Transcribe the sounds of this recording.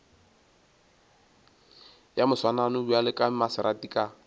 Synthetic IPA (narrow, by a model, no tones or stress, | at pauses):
jamʊswananʊbualɪkʼamasɪɾatikʼa